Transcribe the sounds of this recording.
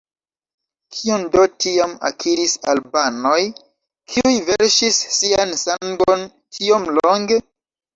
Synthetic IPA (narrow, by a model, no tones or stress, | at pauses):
kʰiondo̞tiama̰kʰiɾisa̰lbano̞j | kʰiujve̞ɾʃisːiansaŋɡo̞n | tʰio̞mlo̞ŋɡe̞